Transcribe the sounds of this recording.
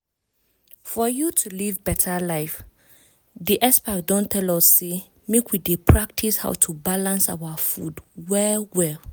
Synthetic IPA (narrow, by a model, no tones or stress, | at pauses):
fɔjutʰulivbɛtʰalaɪf | diʔɛspak̚dɔ̃ntʰːɛlɔsːe | mekwidepʰɹak̚tʰisha̰ʊtʰubalãnsa̰wafudwɛwɛl